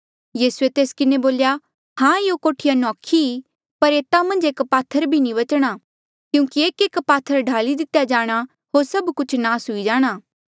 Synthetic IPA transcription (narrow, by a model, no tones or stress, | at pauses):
jiːsuet̪eːskɪneboːlja | hãːjokoːʈʰɪjanɔ̃ːkʰi | pɐɾeːt̪amɐ̃nd͡ʒeːkpaːt̪ʰːəɾbʱinĩβɐt͡ʃɽ̃a | kjũːkieːkeːkpaːt̪ʰːəɾɖʱaːlid̪ɪt̪jad͡ʒaːɽ̃a | ɦoːɾsɐbkʊt͡ʃʰnaːsɦʊid͡ʒaːɽ̃aː